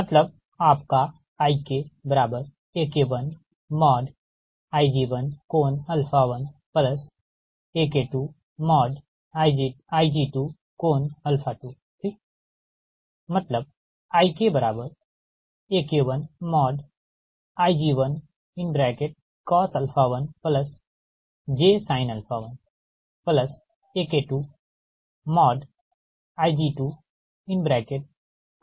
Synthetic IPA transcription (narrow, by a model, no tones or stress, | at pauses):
mɐt̪ləb̚ | aːpka | aːikebɐɾaːbəɾ | eːkeʋən | mɔːɖ | aːid͡ʒiːʋənkoːnɐlpʰaʋənpləs | eːkeʈu | mɔːɖ | aːid͡ʒiaːid͡ʒiːʈu | koːnɐlpʰaʈuː | t̪ʰi | mɐt̪ləb̚ | aːikebəɾaːbəɾ | eːkeʋənmɔːɖ | aːjd͡ʒiːʋən | ɪnbɾɛːkeʈ̚ | kɔːsɐlfʰaːʋənpləs | d͡ʒeːsaːɪnɐlfaʋən | pləs | eːkeʈuː | mɔːɖ | aːjd͡ʒiːʈuː | ɪnbɾɛːkeʈ̚